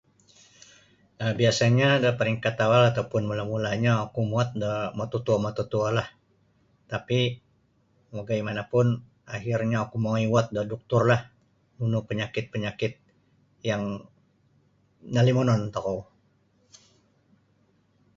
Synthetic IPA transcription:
əbiasaɲadəpəɾiŋkat̪awalat̪awpʊnmulamulaɲaakumuat̪̚dəmot̪ɔt̪uamat̪ɔt̪ualah | t̪api | moɡajmanapʊn | aɦirɲaakumoɔjwat̪̚dədɔk̚t̪ʊrlah | nunupəɲakɪt̪̚pəɲakɪt̪̚ | jaŋ | nalimonɔnt̪ɔkɔw

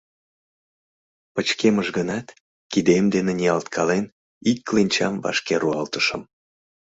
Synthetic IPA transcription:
pət͡ɕkeməʒɣənɑt̪ | kid̪emd̪eneniɑlt̪kʰɑlen | ikːlinʲt͡ɕɑmvɑ̰ʃkeɾuɑlt̪əʃə̆m

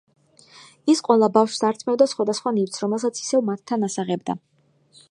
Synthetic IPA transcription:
isqʼwɛlˠabafʃsaɾt̪ʰmɛvd̪asχwad̪asχwanivt̪sʰɾɔmɛlˠsat̪sʰi̥sɛvmat̪ʰːanasaʁɛbd̪a̰

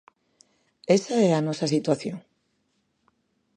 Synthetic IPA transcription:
esaɛanɔsɐsit̪waθjoŋ

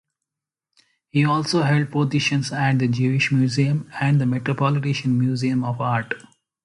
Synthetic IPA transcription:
hiːɔːlsoːɦɛlɖ̚poːzɪʃə̃nsæʈ̚d̪əd͡ʒuːɪʃmjuːziːə̃mæ̃ɳɖd̪əmeʈɾopɔːlɪʈeʃə̃nmjuːziːə̃mɔːʋaːɾʈ

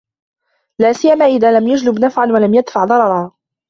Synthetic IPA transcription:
laːsɪjːamaːʔɪðaːlamjad͡ʒlɪbnafʕanwalamjad̪faʕðˤɑɾˤɑɾˤaː

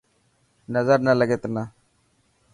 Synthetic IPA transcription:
nɐzaɾnaləɡet̪na

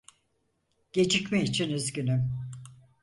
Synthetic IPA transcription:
ɟ̥e̞d͡ʒicmiːt͡ʃʰinizɟynym

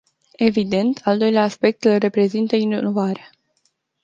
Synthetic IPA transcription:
e̞vid̪e̞nt̪ʰald̪o̞jleaːspe̞k̚t̪ɨlre̞pɾe̞zint̪əinovaɾea

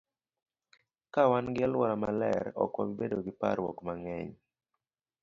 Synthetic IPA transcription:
kawanɡɪalwɔɾamalɛ̰ɾɔ̰kɔ̰wibedoɡɪpa̰ɾwɔ̰kmaŋɛɲ

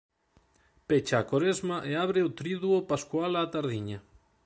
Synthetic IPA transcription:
pet͡ʃaːkoɾezmaʔeaβɾeot̪ɾiðuopaskwalat̪aɾðiɲa

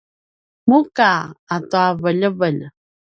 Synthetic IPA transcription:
mukaatuavəʎəvəʎ

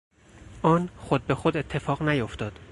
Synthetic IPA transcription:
ʔɒːnxod̪̚be̞xod̪e̞t̪ʰːe̞fɒːʁnæjoft̪ɒːd̪̥

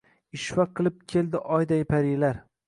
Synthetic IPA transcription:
ɪʃvaqʰːɨlˠɪp̚kʲʰeld̪ɪʔɒjd̪ajɪpʰaɾilaɾ

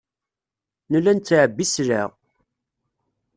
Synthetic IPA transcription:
nəlːænt̪ːʕəbːisɾa

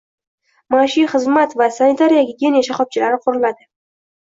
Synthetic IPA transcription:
maʃiχɨzmat̪vasanɪt̪ʰaɾijaɡʲɪɡʲenjaʃaχɒp̚t͡ʃʰɪlaɾɪqʰʊɾɪlad̪ɪ

